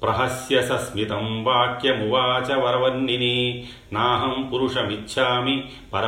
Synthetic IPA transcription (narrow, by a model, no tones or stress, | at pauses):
pɾɐɦɐsjɐsɐsmit̪ɐmbaːkjɐmuʋaːt͡ʃɐʋɐɾɐʋɐnːini | naːɦɐmpuɾuʂɐmitːʃʰaːmi | pɐɾɐ